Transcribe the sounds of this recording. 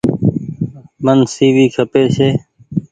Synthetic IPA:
mənsiːʋiːkʰəpeːseː

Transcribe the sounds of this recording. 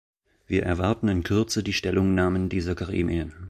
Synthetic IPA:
v̥iːɐʔɛɐvaɐtn̩ɪnkʰʏɐt͡sədiːʃtɛlʊŋnaːməndiːzɐkʰaʁḭːmḭən

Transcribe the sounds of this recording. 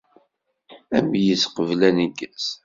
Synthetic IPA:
æmjəsqəvlæniɡəs

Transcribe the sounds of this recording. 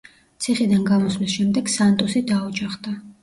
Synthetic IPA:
t̪sʰiχid̪anɡamɔsvlisʃɛmd̪ɛɡ̥sant̪ʼɔsid̪aud͡ʒaχd̪a

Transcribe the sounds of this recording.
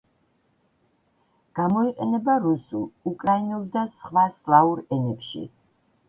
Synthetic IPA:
ɡ̥amɔiqʼɛnɛbaɾusṵlukʼɾainɛlˠd̪asχwaslˠauɾɛnɛpʃḭ

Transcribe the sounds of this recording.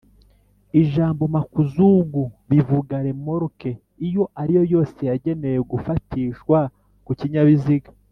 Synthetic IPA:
iʒaːmbo̞makuzuɡuβivuɡaɾe̞moɾke̞ | ijo̞ʔaɾijo̞jo̞ːse̞jaɟe̞ne̞jeɡufatiːʃkwa | kuciɲaβiziɡḁ

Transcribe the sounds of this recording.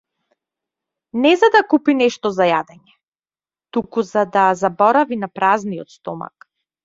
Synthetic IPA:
nɛzad̪akupinɛʃt̪ɔzajad̪ɛɲɛ | t̪ukuzad̪azabɔɾavinapɾaznijɔt̪st̪ɔma̰k

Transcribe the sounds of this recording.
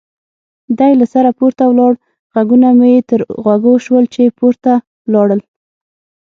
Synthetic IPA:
d̪ajlasaɾapoɾt̪awlɑɽ | ɣaɡunamujet̪əɾɣwaɡoʃwəlt͡ʃepoɾt̪a | wlɑɽəl

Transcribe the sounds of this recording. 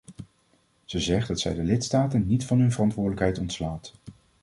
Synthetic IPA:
z̥əzɛχdɑtsɛ̰jdəlɪtstaːtənːitfɑnɦɵnvərɑntʋʊːɹdələkɦɛjtɔntslaːt

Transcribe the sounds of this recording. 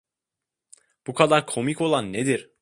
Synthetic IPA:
b̥ukʰad̪aɾkʰo̞miko̞lˠanːed̪iɾ̥

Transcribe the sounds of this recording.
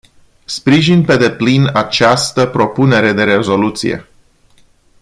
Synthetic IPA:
spɾiʒinpe̞d̪e̞plinat͡ʃast̪əpɾo̞pune̞ɾe̞d̪e̞ɾe̞zo̞lut̪sḭje̞̰

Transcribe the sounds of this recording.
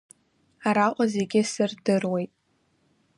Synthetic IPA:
aɾaqʷʼaze̞ɡʲɪsɨrdɨrwejtʼ

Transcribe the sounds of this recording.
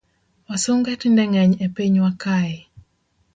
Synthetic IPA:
wasoŋɡɛtindɛŋɛɲepiɲwakaɪ

